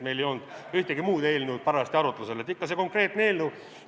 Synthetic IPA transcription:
me̞jlejo̞nd̪̥yht̪eɡimuːd̪̥e̞ːlnud̪̥̚pɑɾɑst̪iɑɾut̪ːˑluselet̪ːikːɑseko̞ŋkre̞ːt̪neeːlnu

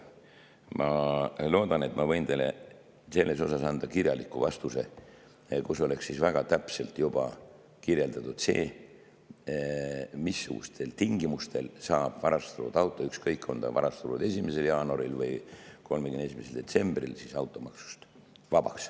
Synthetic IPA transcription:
mɑlo̞ːd̪̥ɑne̞t̪ˑmɑvɤjnt̪ele | se̞lːe̞so̞sɑsɑnd̪̥ɑkirjɑlikːˑuvɑst̪use̞ | kuso̞le̞ksːisvæɡ̥ɑt̪æpse̞lt̪jub̥ɑ | kirje̞ld̪̥ɑt̪ud̪̥se̞̰ː | misːuɡ̥ṵst̪ʰe̞lt̪iŋɡ̥imust̪ʰe̞lsɑːb̥vɑɾɑst̪uɾṵd̪̥ɑwt̪ːˑo̞ykskɤjkːo̞nd̪ɑ̰vɑ̰ɾɑst̪ulud̪e̞simese̞ljɑːnoɾilvɤjko̞lmekyne̞s̬imeseld̪e̞t̪se̞mb̥rḭlsisɑwt̪ːˑo̞mɑksu̥st̪vɑb̥ɑks

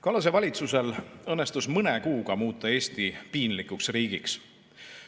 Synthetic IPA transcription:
kɑlɑs̬e̞vɑlʲit̪suse̞lɤnːest̪usmɤnekuːɡ̥ɑmuːt̪ːˑɑe̞ːst̪ipiːnlikuksriːɡ̥iks

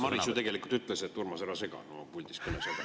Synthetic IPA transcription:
mɑɾisueɡe̞likult̪yt̪ˑleset̪ːurmɑseɾɑse̞ɡ̥ɑ̰nomɑpulʲd̪ispɯnesed̥̪ɑ

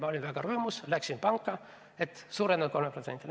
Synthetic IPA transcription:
mɑo̞lʲinvæɡ̥ɑɾɤːmuslæksinpɑŋkːɑ | e̞t̪suːɾed̪ɑd̪ko̞lmeprot̪se̞nt̪ʲːˑil

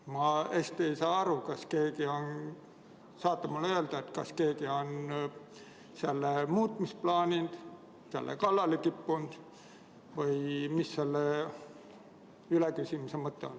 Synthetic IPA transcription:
mɑe̞st̪e̞jsɑːɑɾukɑske̞ːɡio̞n | sɑːt̪ːˑɑmulːø̞ld̪ɑet̪kɑske̞ːɡ̥io̞n | selːemuːt̪ˑmisplɑːnʲind̪̥ | sḛlːḛkɑlːɑlek̪ipːund̪̥ | vɤjmisːelːe | ylekysʲimusemɤt̪ːḛon

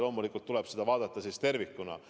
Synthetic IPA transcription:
lo̞ːmulikːˑult̪ːulɛb̥sed̪ɑvɑːd̪̥ɑt̪ːˑɑsiːst̪e̞rvikːˑunɑ̰

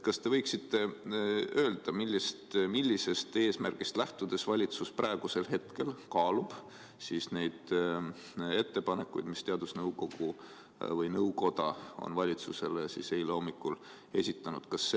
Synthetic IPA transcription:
kɑst̪e̞vɤjksit̪ːe̞ | ø̞ːld̪̥ɑmilʲːist̪milʲːise̞st̪e̞ːsmærɡ̥ist̪læht̪ud̪̥e̞svɑlʲit̪susprɑeɡ̥use̞lɦe̞t̪ke̞lkɑːlub̥ | siːsne̞jd̪̥ | e̞t̪ːe̞pɑne̞kːˑṵjd̪̥mist̪e̞ɑd̪̥usnɤwko̞ɡ̥u | vɤjnɤwko̞d̪̥ɑo̰nvɑlʲit̪suse̞lesise̞jleo̞mːikːul | e̞sʲit̪ːˑɑnud̪̥kɑsːe

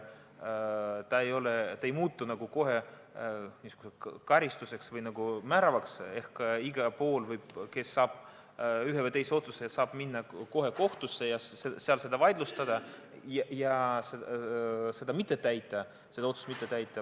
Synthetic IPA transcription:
t̪ɑejo̞let̪ɑejmuːt̪ːunɑɡ̥uko̞ɦe | nʲiːsuɡ̥usekɑɾist̪use̞ksvɯjnɑɡ̥umæɾɑvɑkse̞hkːɑiɡ̥ɑpo̞ːlvɯjb̥ke̞sːɑːb̥ | yɦevɯjt̪e̞jseo̞t̪su̥sesɑːb̥minːɑko̞ɦe̞ko̞ht̪usːe̞jɑeseɑlse̞d̪ɑvɑjd̪̥lust̪ɑd̪̥ɑ | jjɑsese̞d̪̥ɑmit̪ːˑe̞t̪æjt̪ːˑɑ | se̞d̪ɑo̞t̪su̥mit̪ːˑet̪æjt̪ˑːɑ

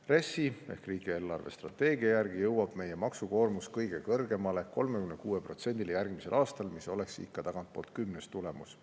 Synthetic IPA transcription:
re̞sːie̞hkriːɡ̥ie̞ːlːɑrve̞̰st̪rɑt̪ːe̞ːɡiɑjærɡ̥ijɤwɑb̥me̞je̞mɑksuko̞ːrmuskɤjɡ̥e̞kɤrɡe̞mɑle̞ko̞lmekymnekuːepro̞t̪se̞nd̪̥ʲiljærɡ̥mise̞lʔɑːst̪ɑlmiso̞le̞ksḭkːɑt̪ɑɡ̥ɑnt̪̚po̞ːlt̪̚kymnest̪ulemus

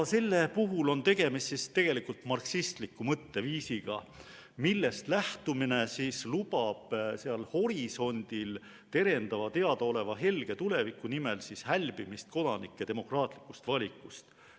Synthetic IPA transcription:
se̞lːe̞puɦulo̞nt̪e̞ɡ̥e̞mist̪sist̪e̞ɡ̥e̞likult̪mɑrksist̪likːˑumɤt̪ːe̞viːsiɡ̥ɑ | milːe̞st̪læht̪umine̞sislub̥ɑb̥seɑlho̞ɾiso̞nʲd̪̥il | t̪e̞ɾe̞nd̪̥ɑvɑt̪e̞ɑd̪̥ɑo̞le̞vɑɦe̞lɡ̥e̞t̪ule̞vikːˑunimelsishælʲb̥imist̪̚ko̞d̪̥ɑnḭkːˑet̪e̞mo̞krɑːt̪ˑli̥kːˑust̪vɑlʲikːˑust̪

